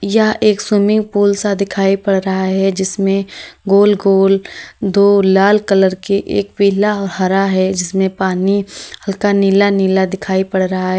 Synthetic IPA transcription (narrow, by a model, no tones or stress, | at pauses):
jɐɦeːksuːmɪ̃ŋɡpuːlsad̪ɪkʰaːipɐɽɾɐɦaɦɛd͡ʒɪsmẽɡoːlɡoːld̪oːaːlkələɾkeʔḛːkpiːlaɔːɾhɐɾaɦɛd͡ʒɪsmẽpaːnihɐlkaniːlaniːlad̪ɪkʰaːipɐɽɾɐɦaɦɛː